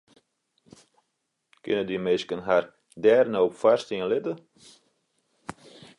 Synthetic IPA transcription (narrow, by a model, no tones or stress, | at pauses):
kɪnədimɪskənɦar | dɛːrnoːpfarstiənlɪtə